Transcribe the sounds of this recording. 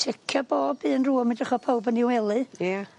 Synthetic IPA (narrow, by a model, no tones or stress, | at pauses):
tʰɪkʰaboːbɨːənruːmɪdəχɔpʰowbəniwɛlˠɨja